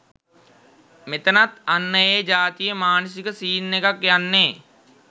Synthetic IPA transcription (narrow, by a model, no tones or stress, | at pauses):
met̪ənat̪anːəeːd͡ʒaːt̪ijəmaːnəs̬ikəsiːnːekakjanːeː